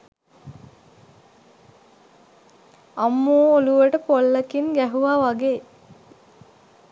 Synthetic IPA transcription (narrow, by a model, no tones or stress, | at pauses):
amːuːoluʋəʈəpolːəkinɡæɦuʋaːʋaɡeː